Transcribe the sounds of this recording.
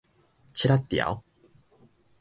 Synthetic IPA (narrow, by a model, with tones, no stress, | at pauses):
t͡ɕʰiɾat̪ːi˨a̰˨˦